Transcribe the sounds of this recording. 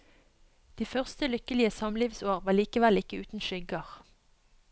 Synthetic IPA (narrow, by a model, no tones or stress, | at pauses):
d̪̥iːfœʁst̪əlʏkəlɪəsɑmliːʋsoːʁʋɑːʁliːkəʋɛlɪkəʉːt̪n̩ʃʏɡəʁ